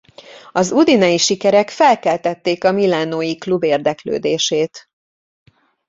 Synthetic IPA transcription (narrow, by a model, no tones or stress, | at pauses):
ɒzud̪inɒjiʃikɛɾɛkfɛlkɛlt̪ɛt̪ːeːkɒmilaːnoːjiklubeːrd̪ɛklø̰ːd̪eːʃeːt̪